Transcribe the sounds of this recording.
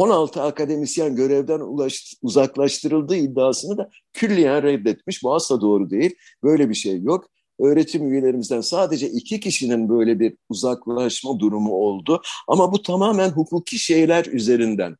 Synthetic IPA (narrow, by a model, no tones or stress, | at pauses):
o̞nalˠt̪ʰɯakad̪e̞misjanɟø̞ɾɛvd̪ænʃuzaklˠaʃt̪ʰɯɾɯlˠd̪ɯːid̪ːaːsɯnɯd̪a | cʰylːʲijænɾɛd̪ːɛt̪̚miʃbuaslˠad̪o̞ːɾud̪e̞jilʲ | bø̞jlʲebiʃejːo̞k | ø̞ːɾe̞t̪ʰimyje̞lʲe̞ɾimizd̪ænsaːd̪e̞d͡ʒɛʔicʰicʰiʃininbø̞jlʲebiɾuzaklˠaʃmad̪uɾumuo̞lˠd̪ʊa̰mabut̪ʰamaːmænɦukʰuːcʰiʃe̞jlʲæɾyze̞ɾind̪æ̰n